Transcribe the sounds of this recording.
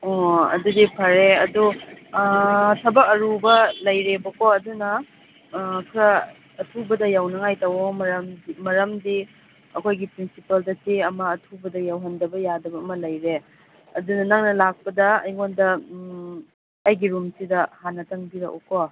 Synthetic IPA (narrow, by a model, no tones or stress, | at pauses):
ɔɐ̰dudipʰɐɾeɐdu | tʰɐbɐk̚ɐɾubɐlɐjɾebɐkoɐdunɐ | kʰɾɐ | ɐtʰubɐdɐjawnɐŋajtɐwomɐmmɐɾɐmdi | ɐkʰojɡipɾinsipɐldɐsiɐmɐːtʰubɐdɐjawɦɐndɐbɐjadɐbɐːmɐlɐjɾe | ɐdunɐnɐŋnɐlak̚pɐdɐɐ̰jŋondɐ | ɐjɡiɾumsidɐhanːɐtɐŋbiɾɐkṵko